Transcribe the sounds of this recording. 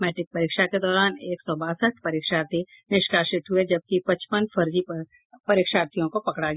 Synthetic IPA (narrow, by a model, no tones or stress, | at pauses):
mɛːʈɪk̚pɐɾiːkʃaked̪ɔːɾaːneːksɔbaːsəʈ̚ʰpɐɾiːkʃaːɾt̪i | nɪʃkaːʃɪʈɦʊed͡ʒɐb̚kipɐt͡ʃpənfʰɐɾd͡ʒip | pɐɾiːkʃaːɾt̪ijõkopɐkɽaɡ